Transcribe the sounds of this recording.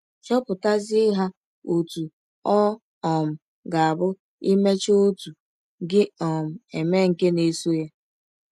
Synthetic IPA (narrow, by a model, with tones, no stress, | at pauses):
t͡ʃɔ˦pʊ˨ta˦zɪ˦ɦa˦ | o˨tu˨ | ɔ˦ | ɔ˨m̩˨ | ɡa˨a˨bʊ˦ | i˦me˦t͡ʃo˦tu˨ | ɡɪ˦ɔ˨m̩˨e˨me˦ŋ̩˨ke˦ne˨so˦ja˦